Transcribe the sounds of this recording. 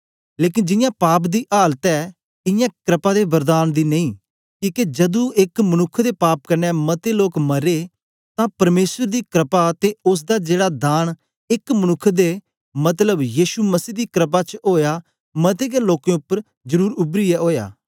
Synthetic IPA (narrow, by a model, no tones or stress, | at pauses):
leːk̬ɪnd͡ʒɪjãːpaːp̬d̪iːʔaːlət̪ɛː | ɪ̃jãːkɾɪpaːd̪ebəɾd̪aːnd̪iːnəĩː | kiːked͡ʒɐd̪ũɪkmənʊkʰːd̪eːpaːp̚kəɾnɛmɐt̪eloːkmɐɾeː | t̪ãpɐɾmeːsəɾd̪iːkɾɪpat̪eʊs̬d̪aːd͡ʒeːɽad̪aːn | ɪkmənʊkʰːd̪eː | mɐt̪ləbjiːʃuməsiːd̪iːkɾəp̬at͡ʃɦoːjaː | mɐt̪̬eːkeloːkẽʊpːəɾ | zəɾuːɾʊbɾiɛːɦoːja̰ː